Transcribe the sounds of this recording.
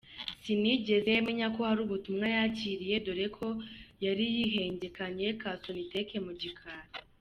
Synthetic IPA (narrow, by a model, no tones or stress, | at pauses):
siniɟe̞zejeme̞ɲako̞haɾuːβutumŋajaciɾije̞do̞ɾe̞kʰo̞jaɾijiɦe̞ːɲɟe̞kaɲe̞kaso̞nite̞ke̞muɟikʰaːɾi